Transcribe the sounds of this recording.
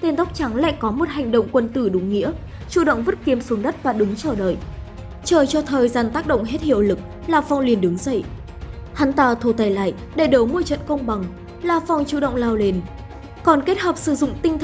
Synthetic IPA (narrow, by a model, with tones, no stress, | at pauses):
t̪e˧nt̪a˦˥wk͡p̚t͡ɕa˨˦ŋla̰ː˧˨jkɔ˨˦mo˨˩t̚ha˨˩jŋ̟ɗə̰˧˨wŋ͡mkwə˧nt̪ɨ˧˩ɗʊ˨˦ŋ͡mŋḭ˧˥ə | t͡ɕu˧˩ɗə̰˧˨wŋ͡mvə˦˥t̚ki˨˦əmsu˨˦nɗə˦˥t̚vaː˨˩ɗɨ˨˦ŋt͡ɕəː˧˩ɗə̰ː˧˨j | t͡ɕəː˧˩jt͡ɕɔ˧t̪ʰəː˨˩jzaː˧˩nt̪aː˦˥k̚ɗə̰˧˨wŋ͡mɦe˦˥t̚hḭ˧˨əwlɨ˨˩k̚ | laː˨˩fɔ˨˩wŋ͡mli˨˩ənɗɨ˨˦ŋzə̰˧˨j | ha˨˦nt̪aː˧˩t̪ʰo˧˩t̪aː˨˧˩jla̰ː˧˨j | ɗe˧˩ɗo˨˦wmu˧jt͡ɕə̰˧˨nkə˧wŋ͡mɓa˨˩ŋ | laː˨˩fɔ˨˩wŋ͡mt͡ɕṵ˧˩ɗə̰˧˨wŋ͡mlaː˧wle˨˦n | kɔ˨˩nke˦˥t̚həː˨˩p̚sɨ˧˩zʊ̰˧˨ŋ͡mt̪ï˧ŋ̟t̪ʰ